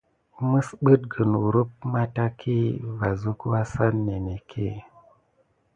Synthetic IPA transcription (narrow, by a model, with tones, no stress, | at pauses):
mɨ˦sɓɨ˦t̚ɡə˨nwu˨ɾu˦p̚ma˦ta˦kʰi˦va˨zu˦kwa˦sa˦nːe˨ne˨kʰḛ˦